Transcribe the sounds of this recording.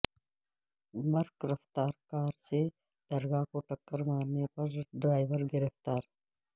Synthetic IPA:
mɐɾkɾɐft̪aːɾkaːɾse | d̪̥ɐɾɡaːkoʈɐkːəɾmaːɾnepɐɾɖɾaːjʋəɾɡɪɾeft̪aːɾ

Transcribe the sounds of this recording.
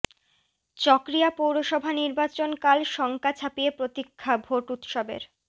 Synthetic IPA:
t͡ɕɔkɾiapowɾoʃɔbʱaniɾbat͡ɕonkalʃɔŋkat͡ɕʰapiepɾot̪ikʰːabʱoʈut̪ʃobḛɾ

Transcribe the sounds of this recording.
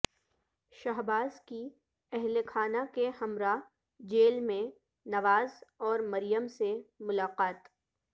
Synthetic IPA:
ʃɐɦbaːzki | ɛɦlekʰaːnakehɐmɾa | d͡ʒeːlmẽ | nɐʋaːzɔːɾmɐɾɪjəmsemʊlaːqaːt̪

